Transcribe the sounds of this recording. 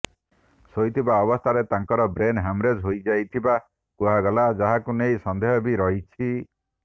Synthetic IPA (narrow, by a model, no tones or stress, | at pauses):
sojt̪ʰibaɔbɔst̪ʰaɾet̪aŋkɔɾɔbɾenɦamɾed͡ʒɦojd͡ʒajt̪ʰiba | kuɦaɡɔlad͡ʒaɦakunejsɔnd̪eɦɔbiɾɔɦit͡ʃʰi